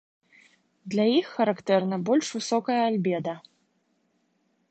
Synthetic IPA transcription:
d̪lʲajixːɐɾakt̪ɛrnɐbɔlʲʂvɨsɔkɐjɐalʲbʲɛd̪ɐ

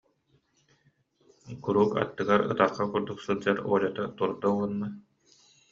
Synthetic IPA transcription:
kuɾuːka̰t̪ːɯɡaɾɯ̰t̪aχːakuɾd̪uksɯlˠd͡ʑaɾuɔlat̪at̪uɾd̪aunma

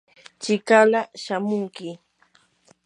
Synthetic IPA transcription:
t͡ʃɪkalaʃamʊŋkɪ

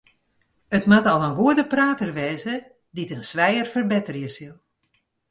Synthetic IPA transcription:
ətmatɔlˠənɡuədəpraːtərʋɛːzə | ditənsʋɛjərfərbɛtərjəsilˠ

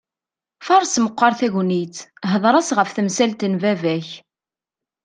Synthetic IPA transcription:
fɑɾˤsməqʷːɑɾθæʝnit͡s̪ɦəðˤɾˤɑsʁəfθəmsælt̪ənvævæç

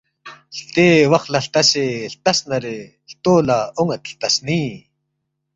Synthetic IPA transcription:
ɬt̪eːwaχɬaɬt̪aseɬt̪asnaɾe | ɬt̪oːlaoŋat̪ɬt̪asniː

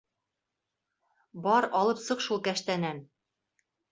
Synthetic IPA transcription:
bɒɾɒlˠɤpsɤqʃulˠkæʃt̪ænæn

